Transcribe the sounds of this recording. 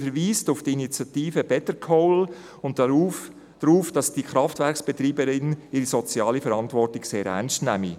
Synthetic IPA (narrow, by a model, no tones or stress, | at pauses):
fəɾʋiːstʊftiinit͡sjɑtiːfəb̥ɛtəkʰɔʊl | ʊnt̚u | d̥ɾuːfd̥ɑsd̥iχɾɑftvɛɾksb̥ɛt̪ɾiːbəɾɪnɪɾisɔt͡sjɑːlifəɾɑntvɔrtɪɡseːɾɛ̰nstnæ̰mi